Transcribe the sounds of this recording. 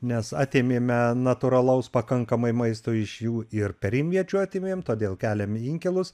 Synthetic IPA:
nʲɛsɑːt̪ʲeːmʲeːmʲɛnɐt̪ʊɾɐlˠɐʊspɐkɐŋkɐmɐɪmɐɪst̪oːɪʃjuːʔɪɾpʲɛɾʲɪmʲʋʲiɛt͡ʃʲuɑːt̪ʲeːmʲeːmt̪oːd̪ʲeːlˠkʲæːlʲɛmiŋʲkʲɛlˠʊs

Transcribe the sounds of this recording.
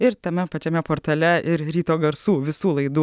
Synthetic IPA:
ɪɾt̪ɐmʲɛpɐt͡ʃʲɛmʲɛpoːɾt̪ʲɐlʲɛʔɪɾɾʲiːt̪oːɡɐɾsuːʋʲɪsuːlˠɐɪd̪uː

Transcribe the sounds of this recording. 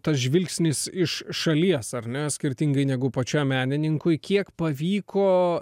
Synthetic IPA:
t̪ɐsʒʲʋʲɪlʲksʲnʲɪsɪʃʃɐlʲiɛsɐrʲnʲɛsʲkʲɪɾʲt̪ʲɪŋɡɐɪnʲæɡʊpɐt͡ʃʲɛmʲæːnʲɪnʲɪŋkʊɪkʲiɛkpɐʋʲiːkʰoː

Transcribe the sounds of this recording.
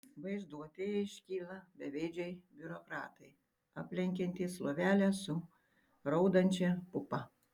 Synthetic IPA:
ʋɐɪzd̪uɔt̪ʲejɛɪʃʲkʲiːlˠɐbʲɛʋʲeːd͡ʒʲɛɪbʲʊɾokɾɑːt̪ɐɪ | ɐpʲlʲɛŋʲkʲɛnʲt̪ʲiːslˠoːʋʲæːlʲɛsʊ | ɾɐʊd̪ɐnʲt͡ʃʲɛpʊpɐ

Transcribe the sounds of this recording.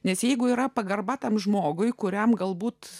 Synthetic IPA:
nʲɛsjɛɪɡʊiːɾɐpɐɡɐrbɐt̪ɐmʒmoːɡʊjkʊɾʲɛmɡɐlˠbuːt̪

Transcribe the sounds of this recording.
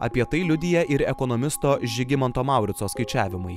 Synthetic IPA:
ɐ̰pʲiɛt̪ɐɪlʲʊd̪ʲɪjɛʔɪɾɛkɔnɔmʲɪst̪oːʒʲɪɡʲɪmɔnt̪oːmɑˑʊɾʲɪt̪soːskɐɪt͡ʃʲæːʋʲɪmʊɪ

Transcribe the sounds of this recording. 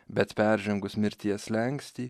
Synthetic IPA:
bʲɛt̪pʲæˑɾʲʒʲɛŋɡʊsmʲɪɾʲt̪ʲiɛslʲɛŋʲksʲt̪ʲiː

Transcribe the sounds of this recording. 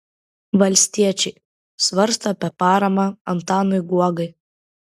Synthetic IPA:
ʋɐlʲsʲt̪ʲiɛt͡ʃʲɛɪ | sʋɐɾst̪ɐɐpʲiɛpɑːɾɐmɑɐnt̪ɑːnɔɪɡuɔɡɐɪ

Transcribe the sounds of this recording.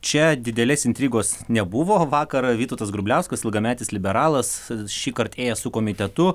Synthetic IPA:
t͡ʃʲɛd̪ʲɪd̪ʲɛlʲeːsɪnʲt̪ʲɾʲiːɡoːsnʲɛbʊʋoːʋɑːkɐɾʋʲiːt̪oːt̪ɐsɡɾʊbʲlʲɛʊskɐsɪlˠɡɐmʲæːt̪ʲɪslʲɪbʲɛɾɑːlˠɐsʃʲiːkɐrt̪eːjɛsʊkoːmʲɪt̪ʲɛt̪ʊ

